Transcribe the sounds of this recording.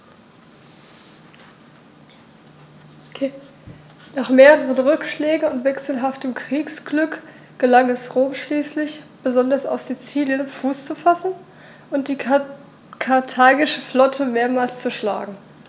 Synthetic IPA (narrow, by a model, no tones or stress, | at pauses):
naːχmeːʁəʁənʁʏkʃlɛːɡŋ̩ʊntv̥ɛksl̩ɦaftəmkʁ̥iːksɡ̥lʏk | ɡ̥əlaŋɛsʁoːmʃliːslɪçb̥əzɔndɐsa̰ʊfz̥it͡siːljənfuːst͡sufasn̩ | ʔʊnt̚d̥iː | kʰaɐtʰaːɡɪʃəflɔtʰəmeːɐmaːlst͡suʃla̰ːɡŋ̩